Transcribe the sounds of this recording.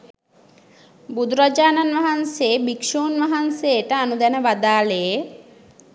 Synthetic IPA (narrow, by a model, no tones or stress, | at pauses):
bud̪uɾad͡ʒaːnanʋaɦanseːbikʂoːnʋaɦansejəʈəanud̪ɛnəʋad̪aːleje